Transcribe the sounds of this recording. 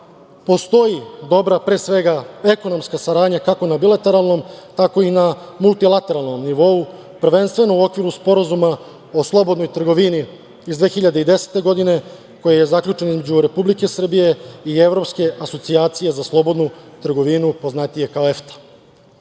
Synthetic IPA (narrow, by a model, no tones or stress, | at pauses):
po̞st̪o̞jid̪o̞bɾapɾe̞ːsʋe̞ɡae̞ko̞no̞mskasaɾaːd̪ɲakakonabilˠat̪e̞ɾalˠno̞mt̪ako̞inamulˠt̪ilˠat̪e̞ɾalˠno̞mniʋo̞u | pr̩ʋe̞nst̪ʋe̞no̞uo̞kʋiɾuspo̞ɾazuma | o̞slˠo̞bo̞d̪nojt̪r̩ɡo̞ʋini | izd̪ʋe̞ːxiʎad̪eid̪e̞se̥t̪e̞ɡo̞d̪ine̞ | ko̞jeje̞zakʎʲut͡ʃe̞nizmed͡ʑuɾe̞publike̞sr̩bije̞ievɾo̞pske̞ʔaso̞t̪siaːt̪sije̞zaslˠo̞bo̞d̪nut̪r̩ɡo̞ʋinupo̞znat̪ije̞kaoeft̪ḁ